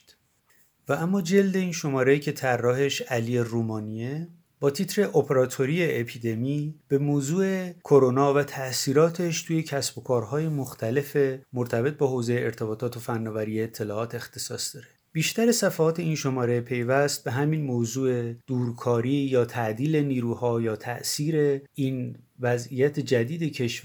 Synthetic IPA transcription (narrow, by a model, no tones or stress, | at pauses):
vææmːɒːd͡ʒe̞ld̪e̞iːnʃo̞mɒːɾeiːcʰe̞t̪ʰærːɒːhe̞ʃælije̞ruːmɒːnie | b̥ɒːt̪ʰiːt̪ʰɾe̞ʔopʰeɾɒːt̪ʰo̞ɾieʔːpʰiːd̪e̞miːb̥e̞moːzuːe̞kʰoɾonɒːvæt̪ʰæsiːɾɒːt̪ʰe̞ʃt̪ʰuːje̞cʰæsbo̞kʰɒːɾɦɒːje̞moxt̪ʰæle̞femoɾt̪ʰæbe̞t̪̚bɒːɦoːze̞jeʔeɾt̪ʰe̞bɒːt̪ʰɒːt̪ʰofænːɒːvæɾiːeːt̪ʰːe̞lɒːɒːt̪ʰe̞xt̪ʰe̞sɒːsd̪ɒːɾe̞b̥iːʃt̪æɾe̞sæfæhɒːt̪ʰe̞inʃo̞mɒːɾe̞pʰe̞jvæst̪̚be̞ɦæminmozuːe̞d̪̥uːɾkʰɒːɾiːjɒːt̪ʰæʔd̪iːle̞niːɾuːhɒːjɒːt̪ʰæ̰ʔsiːɾe̞ʔiːnvæzijæt̪ʰe̞d͡ʒæd̪iːd̪e̞cʰe̞ʃ